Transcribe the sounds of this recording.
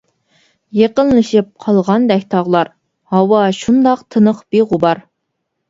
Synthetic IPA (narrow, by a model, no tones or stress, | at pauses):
jeqənlˠɨʃip̚qʰɑlˠʁɑnd̪ɛkʲt̪ʰɑʁlˠɑɾ | hɑwɑʃund̪ɑqt̪ʰənəqb̥iʁubɑɾ